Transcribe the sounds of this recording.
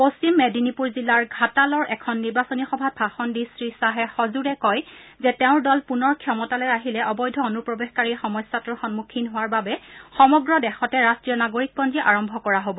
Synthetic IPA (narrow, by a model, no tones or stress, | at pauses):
post͡ɕimːedinipuɹzilːaɹɡʱatalɔɹʔɛkʰɔnːiɹbasɔnixɔbʱat̚bʱaxɔndisɹisaɦɛxɔzuɹɛkɔjzɛtɛʊ̃ɹdɔlpunɔɹkʰjɔmɔtalɔjaɦilɛʔɔbɔjdʱɔonupɹɔbexkaɹixɔmɔsːatɔxɔnmukʰinɦʊwaɹbabɛxɔmɔɡɹɔdɛxɔtɛɹastɹijɔnaɡoɹik̚pɔnziʔaɹɔmbʱɔkɔɹaɦobɔ